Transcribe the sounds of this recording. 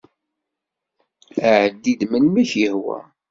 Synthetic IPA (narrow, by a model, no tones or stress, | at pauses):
əʕəd̪ːid̪mənmiçjəhwæ̰